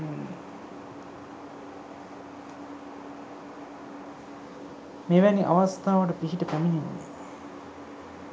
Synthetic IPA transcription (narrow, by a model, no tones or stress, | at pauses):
meʋæniʔa̰ʋast̪aːʋəʈəpiɦiʈəpæmiɲinːḛ